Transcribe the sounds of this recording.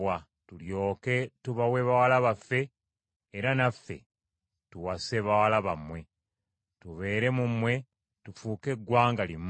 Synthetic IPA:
wa | tuljo̞ːke̞tuβawe̞βawalaβafːe̞ː | ɾanafːe̞̰ | tuwaseβawalaβamwe̞ | tuβe̞ːɾe̞mumwe̞ | tufuːke̞ɡwaːŋɡalim

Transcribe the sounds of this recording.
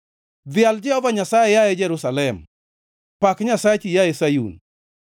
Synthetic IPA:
ðɪald͡ʒɛhɔvaɲasaejaed͡ʒɛɾusalɛm | pakɲasat͡ʃijaesajṵn

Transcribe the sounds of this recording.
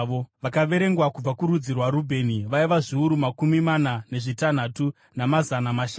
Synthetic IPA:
oʋakaʋe̞ɾe̞ŋɡwakub͡vakuɾud͡zirwaɾubʱe̞ːniʋaiʋaʐiuɾumakumimanane̞ʐitan̤atu | namazanamaʃa

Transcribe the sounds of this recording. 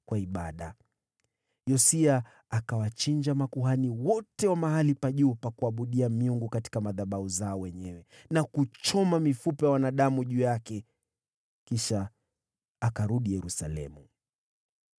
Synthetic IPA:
kwaiɓa̰ɗa̰ | jɔsiaː | kawat͡ʃiɲd͡ʒamakuɦaniwɔtɛwamaɦalipaʄuːpakuaɓuɗiamiuŋɡukati̥kamaðaɓauzaɔwɛɲɛwɛ | nakut͡ʃɔmamifupɛjawanaɗamuʄuːjakɛ | kiʃaː | kaɾuɗijɛɾusalɛ̰mu

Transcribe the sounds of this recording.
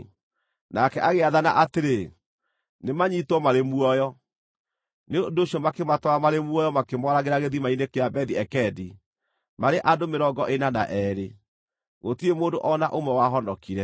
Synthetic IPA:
nakɛʔaɣeaðana̰ʔateɾe | nemaɲitwɔmaɾemuɔjɔ | neondoɕiɔmakematɔamaɾemwɔjɔmakemɔɾaɣeɾaɣeðimainekeabɛðiɛkɛdi | maɾeʔadomeɾɔɡɔʔenanaʔɛːɾe | ɣotiemoːndoʔɔnaʔomɛwaɦɔndɔkiɾɛ

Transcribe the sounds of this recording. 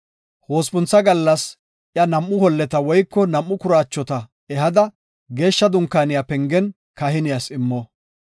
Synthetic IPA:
ho̞ːspʊnt͡sːɐɡɐlːɐs | ʔjɐnɐmːʊhɔlːɛt̪ɐwɔjkːɔnɐmːʊkʊɾaːt͡ʃːɔt̪ɐ | ɛɦɐd̪ɐ | ɡe̞ːʃːɐd̪ʊŋkːaːnɪjapɛŋɡɛn | kɐhɪnɪjasɪmːɔ

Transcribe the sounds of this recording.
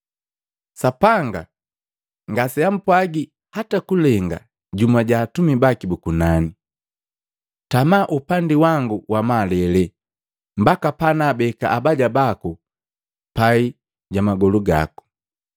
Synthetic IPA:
sapaŋɡa | ŋɡasɛam̩pwaɡi | hatakulɛŋɡa̰ | ɟumaɟaːtumibakibukunani | tamaʔupandiwaŋɡuwamalɛlɛ | mbakapanaːbɛka̰ʔabaɟabaku | pai | ɟamaɡɔluɡa̰ku̥

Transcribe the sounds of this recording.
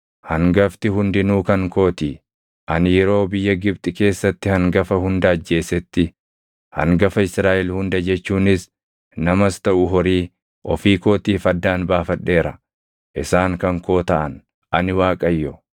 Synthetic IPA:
hɐŋɡɐft̪ɪɦʊnd̪ɪnuːkɐŋko̞ːt̪iː | ʔɐnɪjɛɾo̞ːbɪjːɐɡɪbt̪ʼɪke̞ːsːɐt̪ːɪhɐŋɡɐfɐhʊnd̪ɐɐd͡ʒːe̞ːsɛt̪ːɪ | hɐ̰ŋɡɐfɐɪsɾaːʔɛlhʊnd̪ɐd͡ʒɛt͡ʃːuːnɪs | nɐmɐst̪ɐʔʊɦɔɾiː | ʔɔfiːkoːt̪iːfɐd̪ːaːnbaːfɐᶑːe̞ːɾɐ | ʔɪsaːŋkɐŋko̞ːt̪ɐʔɐn | ʔɐnɪwaːkʼɐjːɔ

